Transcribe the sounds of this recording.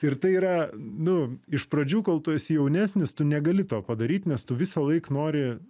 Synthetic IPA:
ɪrt̪ɐɪiːɾɐnʊɪʃprɐd͡ʒʲuːkɐlˠt̪oːjsʲjɛʊnʲæːsʲnʲɪst̪ʊnʲɛɡɐlʲɪt̪oːpɐd̪ɐɾʲiːt̪ʲnʲɛst̪ʊʋʲɪsɐlˠɐɪknoːɾʲɪ

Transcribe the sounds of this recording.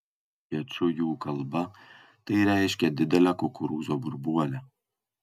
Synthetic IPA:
kɛt͡ʃʊjuːkɐlˠbɐ | t̪ɐɪɾæːjɪʃʲkʲɛd̪ʲɪd̪ʲɛlʲɛkokʰʊɾuːzoːbʊɾbuɔlʲɛ

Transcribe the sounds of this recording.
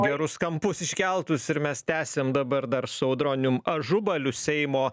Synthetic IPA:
ɡʲɛɾʊskɐmpʊsɪʃʲkʲɛlˠt̪ʊsɪɾmʲɛst̪ʲæːsʲeːmd̪ɐbɐɾd̪ɐɾsɛʊd̪ɾoːnʲʊmɐʒʊbɐlʲʊsʲɛɪmoː

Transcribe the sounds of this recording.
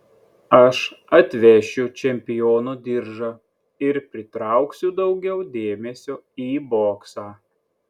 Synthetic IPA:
ɐʃɐt̪ʲʋʲɛʃʲʊt͡ʃʲɛmʲpʲɪjoːnud̪ʲɪɾʒɐ | ɪɾpʲɾʲɪt̪ɾɐˑʊksʲʊd̪ɒʊɡʲɛʊd̪ʲeːmʲɛsʲoiːboːksɑː

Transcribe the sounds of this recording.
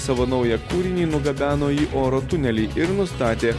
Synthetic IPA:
sɑːʋoːnɐʊjɛkuːɾʲɪnʲiːnʊɡɐbʲæːnoːiːʔoːɾoːt̪ʊnʲɛlʲiːʔɪɾnʊst̪ɑːt̪ʲeː

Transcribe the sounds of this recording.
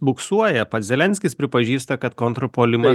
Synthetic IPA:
bʊksuɔjɛpɐt̪zʲɛlʲɛnʲsʲkʲɪspʲɾʲɪpɐʒʲiːst̪ɐkɐt̪kɔnt̪ɾɔpoːlʲɪmɐ

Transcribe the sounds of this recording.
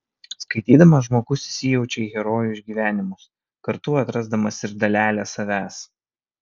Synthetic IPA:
skɐɪt̪ʲiːd̪ɐmɐʒmoːɡʊsʲɪsʲɪjɛʊt͡ʃʲɛiːɣʲɛɾɔːjʊʃʲɡʲiːʋʲæːnʲɪmʊs | kɐɾt̪ʊɐt̪ɾɐzd̪ɐmɐsɪɾd̪ɐlʲæːlʲæːsɐʋʲæːs

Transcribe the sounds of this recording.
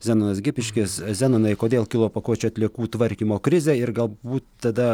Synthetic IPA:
zʲæːnonɐsɡʲɪpʲɪʃʲkʲɪszʲæːnonɐɪkoːd̪ʲeːlˠkʲɪlˠoːpɐkuɔt͡ʃʲːɐt̪ʲlʲiɛkuːt̪ʋɐɾʲkʲiːmoːkɾʲɪzʲeːɪɾɡɐlˠbuːt̪t̪ɐd̪ɐ

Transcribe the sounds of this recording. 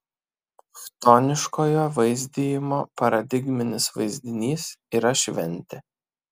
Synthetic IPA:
ft̪oːnʲɪʃkoːjoːʋɐɪzʲd̪ʲiːjɪmoːpɐɾɐd̪ʲɪɡmʲɪnʲɪsʋɐ̰ɪzʲd̪ʲɪnʲiːsiːɾɐʃʲʋʲɛnʲt̪ʲɪ

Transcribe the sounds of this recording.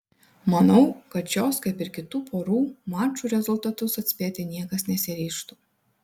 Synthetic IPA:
mɐnɐʊkɐt̪joːskɐɪpɪɾkʲɪt̪uːpʰoːɾuːmɑːt͡ʃuːɾʲɛzʊlˠt̪ɐt̪ʊsɐt̪ʲsʲpʲeːt̪ʲɪnʲiɛkɐsnʲɛsʲɪɾʲɛɪʃt̪uː

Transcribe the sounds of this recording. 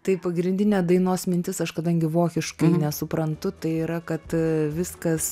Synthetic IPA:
t̪ɐɪpɐɡɾʲɪnʲd̪ʲɪnʲeːd̪ɐɪnoːsmʲɪnʲt̪ʲɪsɐʃkɐd̪ɐŋʲɡʲɪʋoːkʲɪʃkɐɪnʲɛsʊpɾɐnt̪ʊt̪ɐɪiːɾɐkɐt̪ʋʲɪskɐs

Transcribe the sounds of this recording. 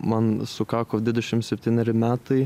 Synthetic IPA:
mɐnsʊkɑːkod̪ʋʲɪd̪ʲɛʃʲɪmt̪sʲɛpʲt̪ʲiːnʲɛɾʲɪmʲæːt̪ɐɪ

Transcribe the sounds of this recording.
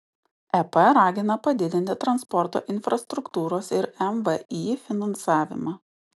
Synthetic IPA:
ɛpɐɾɑːɡʲɪnɐpɐd̪ʲɪd̪ʲɪnʲt̪ʲɪt̪ɾɐnspɔɾt̪o̰ːʔɪnʲfɾɐst̪ɾʊkt̪uːɾoːsɪɾɛmʋəiːfʲɪnɐnsɑːʋʲɪ̰mɑː

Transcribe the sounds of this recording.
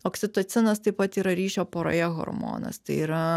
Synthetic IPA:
oːksʲɪt̪ot̪sʲɪnɐst̪ɐɪpɐt̪iːɾɐɾʲiːʃʲoːpoːɾo̰ːjɛɣo̰ɾmo̰ːnɐ̰st̪ɐɪiːɾɐ

